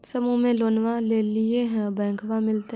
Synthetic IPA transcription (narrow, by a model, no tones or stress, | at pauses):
sɐmũmẽloːnʋaleːlɪeɦɛ̃bɛ̃ːŋkʋamɪlt̪e